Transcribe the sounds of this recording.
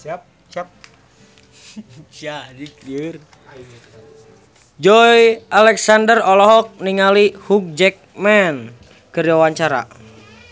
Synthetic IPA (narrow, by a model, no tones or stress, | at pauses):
t͡ʃadikər | d͡ʒɔjʔalɛksandərɔlɔɦɔk̚niŋalihuk̚d͡ʒɛk̚mɛn | kəɾawaɲt͡ʃaɾa̰